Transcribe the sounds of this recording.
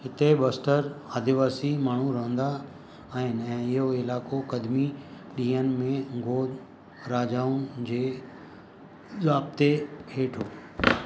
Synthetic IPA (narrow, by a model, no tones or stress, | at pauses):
ɦɪt̪ebəsʈəɾaːd̪ʱɪʋaːsimaːɳ̤ũɾɐɦə̃nd̪aː | ɦɪnɪ̆ɛ̃ːɪɦoɪlaːkokɐd̪mi | ɗĩːənmẽɡʱoː | ɾaːd͡ʑaːũd͡ʑeː | zaːbt̪ehʰeːʈʰoː